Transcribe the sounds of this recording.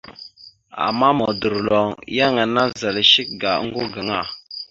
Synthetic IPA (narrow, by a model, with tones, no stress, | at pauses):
a̰˨ma˦mɔ˨du˨ɾlɔ˨ŋja˦ŋə˨na˦zə˨lʃi˦k̚ɡa˨˦ŋ̩˦ɡo˦ɡə˨ŋa˦˨